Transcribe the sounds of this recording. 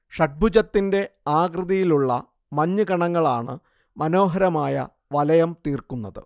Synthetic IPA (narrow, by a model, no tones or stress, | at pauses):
ʂɐʈ̚bʱud͡ʑɐt̪ːinde̞aːɡrɨðɐjiluɭːɐ | mɐɲːɨɡɐɳɐŋːɐɭaːɳɨ̰ | mɐno̞ːɦɐɾɐmaːjɐ̰ | ʋɐlɐjɐmt̪iːrkunːɐðɨ̰